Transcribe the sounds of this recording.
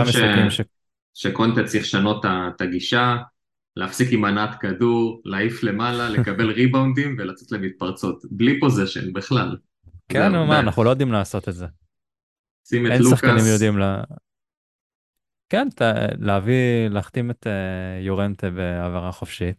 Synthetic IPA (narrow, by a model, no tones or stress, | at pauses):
amaaimʃe | ʃekont̪at͡siχʃano̞t̪ːat̪aɡiʃa | leafsikimanat̪kaduʁlaːifle̞malale̞kabelʁibawndimvelat͡set̪lemit̪̚paʁt͡sot̪blipoziʃḛnbiχlal | kʰennomaanaχnulo̞jod̪imlaːso̞t̪etze | simeejnlusaχkkanimjod̪imla | kent̪aleavilaːχt̪imet̪ejoʁent̪ebeavaʁaχofʃit̪